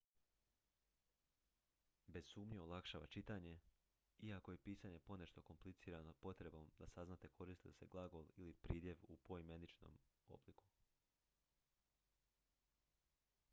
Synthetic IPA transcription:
be̞z̥suːmɲeolˠakʃaːʋa̰t͡ʃit̪aɲe̞ | iako̞je̞piːsaɲe̞po̞ne̞ʃt̪o̞ko̞mplit̪siːɾanopo̞t̪ɾe̞bo̞md̪asaznat̪e̞kʰo̞ɾist̪isḛɡlˠaɡo̞lilipɾiːd̪je̞ʋupo̞jimenit͡ʃno̰ːmo̰bliku̥

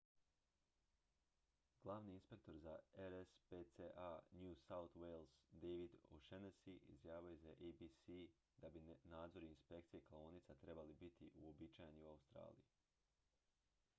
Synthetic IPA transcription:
ɡ̥lˠaʋniinspe̞k̚t̪o̞ɾzaeɾespet̪seʔanjuːsaut̪welˠzd̪eʋid̪oʃenesiʔizjaːʋajuzaʔebisi | d̪̥abinaːd̪zo̞ɾiinspe̞k̚t̪sije̞kaoonit̪sat̪ɾe̞balibit̪ʰiʔuo̞bit͡ʃajeniuaust̪ɾa̰ːlḭji

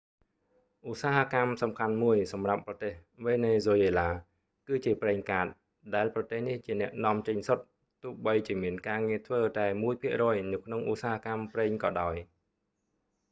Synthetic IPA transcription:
ʔusaːɦakamsɑmkʰanmuəjsɑmrapːrɑt̪eːhʋeːneːzoːjeːlaː | kɨːt͡ɕiəprɛːŋkaːt̪̚ | ɗaɛlprɑt̪eːhniht͡ɕiənɛ̆əʔnŏəmt͡ɕəɲsot̪̚ | t̪uəhɓəjt͡ɕiəmiənkaːŋiət̪ʰʋəːt̪aɛmuəjpʰiəʔrɔːjnɨwkʰnoŋʔusaːhakamprɛːŋkɑːɗaɔj

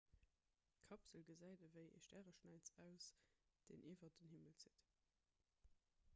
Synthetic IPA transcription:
kʰɑpz̥əlɡəzæɪdəvəɪʔḛʃtæːʁəʃnæɪt͡sæʊsd̥ḛːnʔiːvɐdənhiməlzit

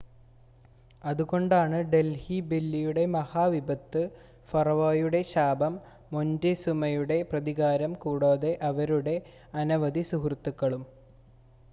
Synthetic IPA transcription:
ɐðuɣo̞ɳɖaːɳɨɖe̞lhibilːijuɽe̞mɐhaːʋibɐt̪ːɨ | fɐrʋaːjuɽe̞ɕaːbʱɐmː | ondesumɐjuɽe̞prɐðiɣaːɾɐmkuːɽoːðe̞ʔɐʋɐɾuɽe̞ | ɐnɐʋɐd̪isuɦrt̪ːukːɐɭum

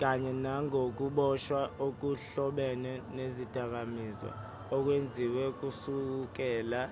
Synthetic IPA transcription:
k̬aɲɛnaŋʱok̬uɓɔʃwaʔok̬uɬɔɓɛnɛnezid̥ʱʼak̬amizɔ̰ | ɔk̬wend͡zʱiwɛk̬usuk̬ɛːla

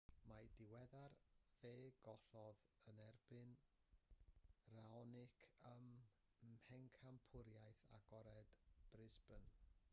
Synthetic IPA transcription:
madɪwɛðarveːɡɔɬɔðənɛrb̥ɪn | raɔnɪkʰəm | hɛŋkʰampʰʊɾjajθa̰ɡɔɾɛd̥b̥rɪsbən

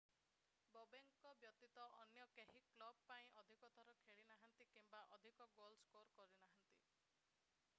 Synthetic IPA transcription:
bobeŋkɔbjɔt̪it̪ɔʔɔnjɔkeɦiklɔb̚paĩʔɔd̪ʱikɔt̪ʰɔɾɔkʰeɭinaɦant̪ikimbaʔɔd̪ʱikɔɡolskoɾkɔɾinaɦɔnt̪i

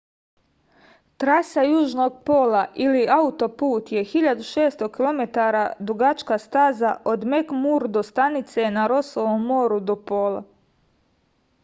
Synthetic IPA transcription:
t̪ɾasajuːʒno̞ɡ̚po̞ːlaʔiliaut̪o̞puːt̪je̞xiʎad̪uʃe̞ːst̪okilˠo̞me̞t̪aɾad̪ɾuɡat͡ʃkast̪aːzaʔo̞d̪me̞kmuɾd̪o̞st̪anit̪se̞naɾo̞soʋomːo̞ːɾud̪o̞po̞ːlˠa̰

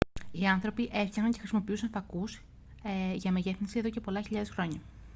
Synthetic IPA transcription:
iɐnθɾo̞piʔe̞fɐxnɐnɲce̞xɾisimo̞piusɐnfɐkus | eʝɐmeʝe̞θinsie̞ðoce̞po̞lɐçiʎɐðe̞sxɾo̞ɲɐ

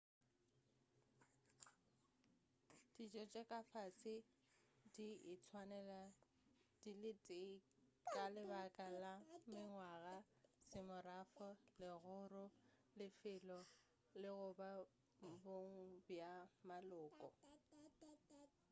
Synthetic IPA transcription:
d̥it͡ʃʼɔt͡ʃʼɛkʼafasɪ | diɪt͡sʰwanɛla | d̥ilɪtʼɪkʼalɪbakʼalamɪŋwaɣa | sɪmʊrafɔlɪɣʊrʊlɪfɪlɔ | lɪɣʊba | mboŋ̩bjamalʊːkʼɔ

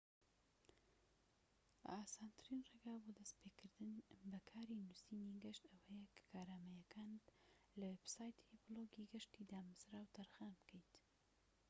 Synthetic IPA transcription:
aːsaːnt̪ʰɨɾinreːɡaːbod̪ɐspʰeːkʰɨɾd̪ɨnbɐkʰaːɾinusiːniɡɐʃt̪ɐwɐjɛkʰɐ̥kʰaːɾaːmɐjɐkʰaːnt̪ | lɐwebsaːjt̪ʰibɨloɡiɡɐʃt̪iːd̪aːmɨzɾaːwt̪ʰɐɾxaːnbkʰejt̪

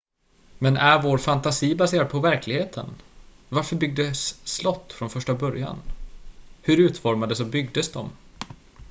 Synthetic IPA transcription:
mɛnæɾvoːɾfant̪asiːbaseːɾad̪̚pʰɔvæɾkʰlɪɡheːt̪ʰə̰n | vaɾfœɾbʏɡ̚d̪əsːlɔt̪ːfɾɔnfœʂʈabœɾja̰n | hɵɾʉ̟ːt̪fɔɾmad̪əsɔbʏɡ̚d̪əsd̪ɔm

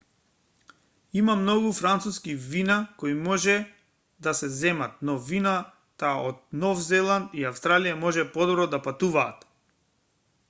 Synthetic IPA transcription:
imamnɔɡufɾant̪suskivinakɔimɔʒɛ | d̪asɛzɛmat̪̚nɔvina | t̪aɔd̪̚nɔfzɛlˠant̪iafst̪ɾalijamɔʒɛpɔd̪ɔbɾɔd̪apat̪uvaːt̪

